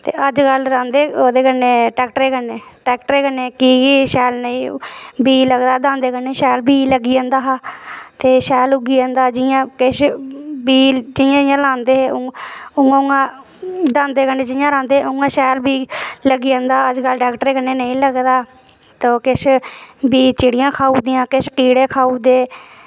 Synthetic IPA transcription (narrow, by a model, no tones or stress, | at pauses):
t̪ḛːʔəd͡ʒkəlɾãːnd̪eːoːd̪eːkənːeːʈɛːkʈɾeːkənːeːʈɛːkʈəɾeːkənːeːkiːiːʃɛːlnəĩːbiːləɡd̪aːd̪ãːnd̪eːkəɳːeːʃɛːlbʱiːləɡiãːnd̪aːɦaːt̪eːʃɛːlʊɡiːãːnd̪aːd͡ʒɪjãːkɪʃbiːd͡ʒɪjãːd͡ʒɪjãːlãːnd̪eːɦːʊŋɡãʊŋãː | d̪ãːnd̪eːkəɳɖeːd͡ʒɪjãːɾãːnd̪eːʊŋɡãːʃɛːlbiːləɡiːãːnd̪aːəd͡ʒɡəlɖaːkʈɾeːkənːeːnəĩːləɡd̪aː | t̪oːkɪʃbiːt͡ʃɪːɽɪjãːkʰaːuːd̪ɪjãːkɪʃkiːɽeːkʰaːuːd̪eː